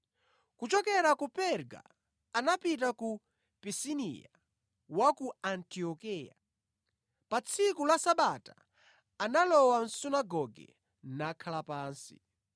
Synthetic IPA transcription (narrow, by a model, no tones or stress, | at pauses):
kut͡ʃɔkɛɾakupɛɾɡa̰ | anapit̬aku | pisinḭja̰ | wakuantiɔkija̰ | pat͡sʰikulasaɓata | analɔwan̩sunaɡɔɡɛ̰ | nakʰalapaːnsḭ